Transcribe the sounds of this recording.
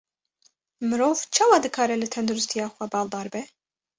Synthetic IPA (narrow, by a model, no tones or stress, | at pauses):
mɨɾoːvt͡ʃʰɑːwɑːd̪ɨkʰɑːɾɛlɨt̪ʰɛnd̪uɾɨst̪ʰijɑːxʷɛbɑːlˠd̪ɑːɾbɛ